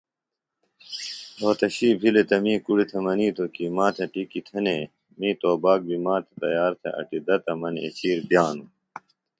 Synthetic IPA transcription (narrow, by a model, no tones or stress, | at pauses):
ɾoːt̪ɐɕiːbʱilet̪ɐmĩːkuɽit̪ʰemɐniːt̪okimãːt̪ʰɐʈikit̪ʰɐneː | mĩːt̪oːbaːk̚bimãːt̪ʰet̪ɐ̰jaːɾt̪ʰḛʔɐ̰ʈid̪ɐt̪ɐmɐnḛt͡ɕiːɾpjaːnu